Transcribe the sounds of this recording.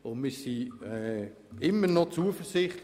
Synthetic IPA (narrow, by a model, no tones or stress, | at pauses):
omɪsi | ɪmənɔt͡suəfərsɪχt